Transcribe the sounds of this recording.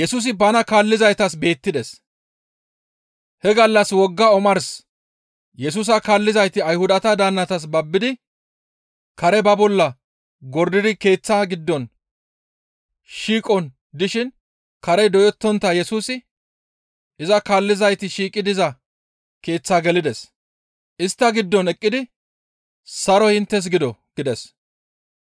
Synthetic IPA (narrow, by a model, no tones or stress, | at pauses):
jɛsuːs̬ɪbɐnɐkaːlːɪzɐjt̪ɐs̬be̞ːt̪ːɪd̪ɛs | hɛɡɐlːɐswɔɡːaɔmɐɾs | jɛs̬uːs̬ɐkaːlːɪzɐjt̪ɪɐjhʊd̪ɐt̪ɐd̪aːnːɐt̪ɐs̬bɐbːɪd̪ɪ | kɐɾɛbɐbɔlːɐ | ɡɔɾd̪ɪd̪ɪke̞ːt͡sːaːɡɪd̪ːɔn | ʃiːkʼɔn | d̪ɪʃɪn | kɐɾɛd̪ɔjɔt̪ːɔnt̪ːɐjɛsuːsɪ | ʔɪzɐkaːlːɪzɐjt̪ɪʃiːkʼːɪd̪ɪzɐ | ke̞ːt͡sːaːɡɛlɪd̪ɛs | ɪst̪ːɐɡɪd̪ːɔnɛkʼːɪd̪ɪ | sɐɾɔhɪnt̪ːɛs̬ɡɪd̪ɔɡ̥ɪd̪ɛs